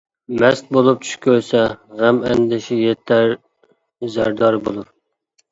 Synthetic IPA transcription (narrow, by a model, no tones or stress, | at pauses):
mɛst̪̚bolˠup̚t͡ʃʰy̥ʃkʲʰøɾsɛʁæmɛnd̪ɪʃɪjet̪ʰːæɾ | zæɾd̪ɑɾbolˠuɾ